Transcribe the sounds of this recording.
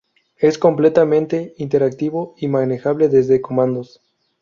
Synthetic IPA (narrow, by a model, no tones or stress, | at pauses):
e̞sko̞mple̞t̪amẽ̞nt̪e̞int̪e̞ɾak̚t̪iβo̞imãne̞xaβle̞ðe̞zðeko̞mãnd̪os